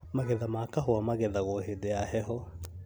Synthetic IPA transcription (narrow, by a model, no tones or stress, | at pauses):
maɣɛðamakaɦoamaɣɛðaɣɔɔɦedɛahɛɦɔ